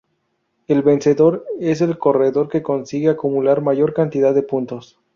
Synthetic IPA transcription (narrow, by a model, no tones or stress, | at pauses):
e̞lβe̞nse̞ðo̞ɾe̞s̬e̞lko̞re̞ðo̞ɾke̞ko̞nsiɣeakumulaɾmaʝo̞ɾkant̪iðaðːe̞punt̪o̞s